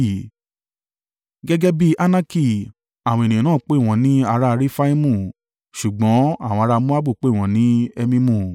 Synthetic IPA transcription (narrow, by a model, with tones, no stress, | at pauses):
ɡɛ˦ɡɛ˦bi˦ʔa˦˧na˦ki˦˨ | a˨w̃ɔ̃˧e˨nĩ˨ã˨nãː˦˨k͡pe˦˨w̃ɔ̃˨˧˦nĩ˦a˧ɾa˦˧ɾi˦fa˦i˦mũ˦˨ | ʃu˨ɡ͡bɔ̃˨˦a˦˨w̃ɔ̃˧ɾa˧mũ˦a˦bu˦˨k͡pe˦˨w̃ɔ̃˨˦nĩ˨˦ɛ˧mĩ˧mũ˦˨